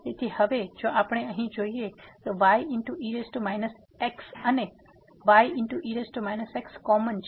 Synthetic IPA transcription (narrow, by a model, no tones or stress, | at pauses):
jet̪ʰihɐʋed͡ʒoːʔaːpɽ̃eəɦĩd͡ʒoːiet̪oʋajʔɪɳʈuʔiːɾesʈumaːɪnəs | eksɐne | ʋaːjʔɪɳʈuʔiɾesʈumaɪnəsekskɔːmənt͡ʃʰ